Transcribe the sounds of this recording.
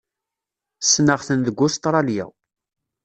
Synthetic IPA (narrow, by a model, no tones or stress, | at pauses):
sːnəʁθənðəɡʷːʊst̪ɾˤɑljæ̰w